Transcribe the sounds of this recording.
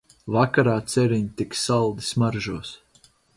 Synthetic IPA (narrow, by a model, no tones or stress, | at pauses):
vakaɾaːt̪sɛɾiɲt̪ikssalˠd̪i̥smaɾʒuɔs